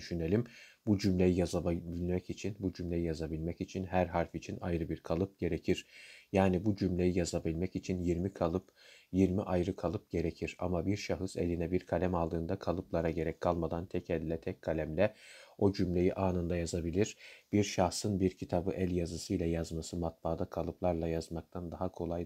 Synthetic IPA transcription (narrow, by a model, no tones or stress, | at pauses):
d̪yʃyne̞lʲimbud͡ʒymlʲe̞jijazabilʲmɛcit͡ʃʰinbud͡ʒymlʲe̞jijazabilʲmɛcit͡ʃʰinɦæɾɦaɾfit͡ʃʰinajɾɯbiɾkʰalˠɯp̚ɟ̥e̞ɾecʰiɾ̥jaːnibud͡ʒymlʲe̞jijazabilʲmɛcit͡ʃʰinjiɾmikʰalˠɯp | jiɾmiʔajɾɯkʰalˠɯp̚ɟ̥e̞ɾecʰiɾa̰mabiɾʃaɦɯse̞̰lʲinɛbiɾkʰalʲæmalˠd̪ɯːnd̪akʰalˠɯplˠaɾaɟe̞ɾɛckʰːalˠmad̪ant̪ʰɛcʰɛlʲːɛt̪ʰɛckʰːalʲæmlʲɛo̞d͡ʒymlʲe̞jiʔaːnɯnd̪ajazabilʲiɾ̥b̥iɾʃaxsɯnbiɾcʰit̪ʰabɯʔælʲjazɯsɯjlʲɛjazmasɯmat̪̚baːd̪akʰalˠɯplˠaɾlˠajazmak̚t̪ʰand̪aɦakʰo̞lˠaj